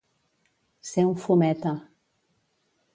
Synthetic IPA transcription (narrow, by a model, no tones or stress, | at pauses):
seũfomɛt̪a